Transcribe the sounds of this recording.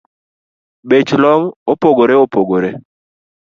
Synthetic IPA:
bet͡ʃlɔŋopoɡoɾeopoɡoɾe

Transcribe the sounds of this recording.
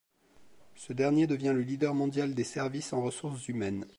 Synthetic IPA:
səd̪ɛʁnjed̪əvjɛ̃ləlid̪œʁmɔ̃d̪jald̪esɛʁvisɑ̃ʁəsuʁszymɛn

